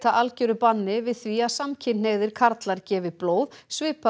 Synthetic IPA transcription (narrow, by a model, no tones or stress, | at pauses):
t̪aʔalcœɾʏpanːɪvɪðθviaðsamcʰɪnneɣðɪɾ̥kʰaɾt̪laɾcɛːvɪploːwðsvɪːpa